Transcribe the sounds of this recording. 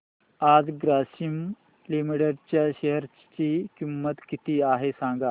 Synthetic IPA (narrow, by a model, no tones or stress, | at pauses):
ad͡zɡɾasim | limiɽəɽt͡ɕjaɕeɦəɾ | t͡ɕiːkimːət̪kit̪iːaɦesãŋɡa